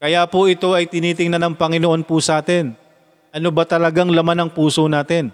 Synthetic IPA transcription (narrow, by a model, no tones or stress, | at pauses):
kɐjaːpʊʔɪt̪o̞ʔɐjt̪ɪniːt̪ɪŋnɐnɐŋpɐŋɪnoʔo̞npʊsɐʔaːt̪ɛn | ʔɐnobɐt̪ɐlɐɡaŋlɐmanɐŋpuːsonaːt̪ɛn